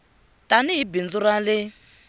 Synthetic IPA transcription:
tʼanɪɦibind͡zuɾalɪ

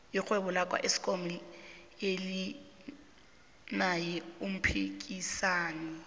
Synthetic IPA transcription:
jixweβɔlakʼwa̰ʔesi̥kʼomi | eli | najɛum̩pʰik̬ʼisaːnɛ

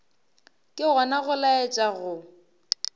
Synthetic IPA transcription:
kʼɪɣɔnaɣʊlaet͡ʃʼaɣʊ

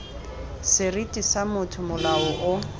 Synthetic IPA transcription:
sɪritʼisamʊtʰʊmʊlaɔʔʊ

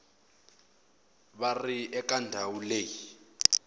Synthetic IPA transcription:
βariɛkʼandʱawuleːji

